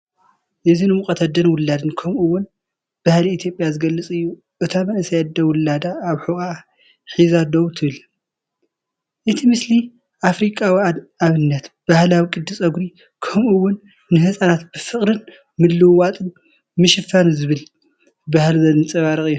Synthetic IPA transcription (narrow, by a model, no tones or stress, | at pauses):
ʔɨzinɨmukʼɐt̪ʰɐd̪ɐnwʊlːad̪ɨnkʰɐmuwːʊn | b̥ahliit̪ʰjopʼjazɨɡɐlːɐt͡sʼɨjːu | ʔɨt̪ʰamɐnɨsɐjad̪ɐwʊlːad̪aːβħuʔʼa | ħizad̪oβt̪ʰɨβɨl | ʔɨt̪ʰimɨsli | ʔafɾikʼawiaβɨnːɐt̪b̥ahlawikʼɨd̪ːɨsʼɐɡɾi | kʰɐmʔuwːʊnː | ɨɦɨsʼanat̪̚b̥ɨfɨχʼɾɨn | mɨlːɨwat̪ʼɨn | mɨʃɨfanzɨβɨl | bahlzɐlɨnt͡sʼɐβaɾɨkʼɨjːu